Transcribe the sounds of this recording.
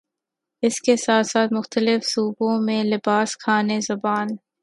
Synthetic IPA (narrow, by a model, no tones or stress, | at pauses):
ɪskesaːt̪saːt̪mʊxt̪əlɪfsuːbõmẽlɪbaːskʰaːnezɐbaːn